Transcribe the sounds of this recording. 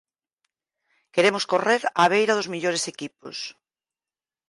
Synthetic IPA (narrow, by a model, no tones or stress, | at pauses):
keɾemʊskoreɾaβ̞ejɾɐðʊzmiʎoɾesekipo̰s